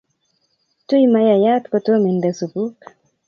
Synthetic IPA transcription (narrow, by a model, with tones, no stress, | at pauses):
tu˦i˦ma˦ja˨ja˦tkɔ˨to˦mi˨ndɛ˨su˨bu˦k